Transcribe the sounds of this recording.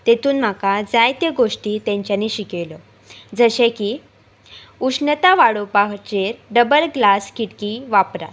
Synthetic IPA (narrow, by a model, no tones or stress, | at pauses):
t̪et̪ʰuːnm̤akad͡zajt̪jeɡoʂʈiːt̪ɛ̃ɲt͡ɕjaniːɕikeʋlɔ | d͡zəɕẽkiː | uʂnət̪aʋaɽopakt͡ɕeɾɖəbəlɡlaskiʈkiːʋapɾa̰t̪